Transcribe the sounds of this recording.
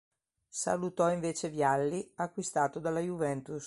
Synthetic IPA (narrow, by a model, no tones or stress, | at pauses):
sa̰lut̪ɔiɱveːt͡ʃevjalːiakːwist̪aːt̪od̪alːajuvɛnt̪us